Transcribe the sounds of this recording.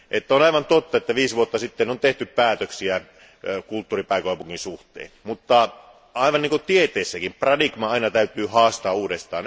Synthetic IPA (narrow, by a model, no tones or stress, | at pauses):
ʔet̪ːæonɑiʋɑnt̪ot̪ːɑet̪ːæʋiːsʋuot̪ːɑsit̪ːenont̪eht̪yppæːt̪øksiæ | kult̪ːuːripæˑikoˑɑˑpuŋːkːinsuht̪ḛːnmut̪ːɑ | ɑˑiʋɑnniːŋkut̪iet̪ˑeːsːækimprɑdiɡmɑɑinɑt̪æyt̪yːhɑːst̪ɑːuːdest̪ɑ̰ːn